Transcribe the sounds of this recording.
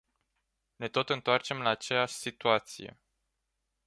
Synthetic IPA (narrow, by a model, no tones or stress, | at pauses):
ne̞t̪o̞t̪ɨnt̪oart͡ʃe̞mlaːt͡ʃe̞jaʃʲsit̪uat̪sḭje̞̰